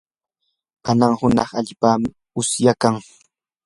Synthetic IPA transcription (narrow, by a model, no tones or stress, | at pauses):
kanaŋhʊnɑχaʎpaːmɪ | ʊsjakaŋ